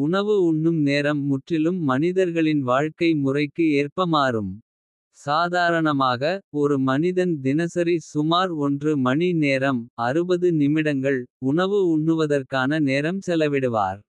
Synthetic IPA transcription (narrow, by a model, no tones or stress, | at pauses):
ʊɳɐʋɯʊɳːɯmneːɾɐmːʊʈrɪlɯmːɐnɪðɐɾɣɐɭɪnʋaːɻkɐɪmʊrɐɪkːɯeːrpɐmaːɾɯm | saːðaːɾɐɳɐmaːɣɐɔɾɯmɐnɪðɐnd̪ɪnɐsɐɾisʊmaːɾɔndrɯmɐɳineːɾɐmɐɾɯbɐðɯnɪmɪɽɐŋɡɐɭʊɳɐʋɯʊɳːɯʋɐðɐrkaːnɐneːɾɐmsɛlɐʋɪɽɯʋa̰ːɾ